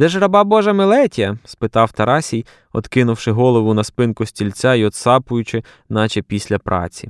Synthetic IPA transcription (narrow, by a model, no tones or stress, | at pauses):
d̪ɛʒɾɐbɑbɔʒɐmelˠɛtʲɐspɪt̪ɑwt̪ɐɾɑsʲij | ɔ̰d̪kɪnʊwʃɪɦɔlˠɔʋʊnɐspɪnkʊsʲtʲilʲt͡sʲaiɔd̪sɑpʊjʊt͡ʃɪ | nɑt͡ʃɛpʲisʲlʲɐpɾʔɑ̰t͡sʲḭ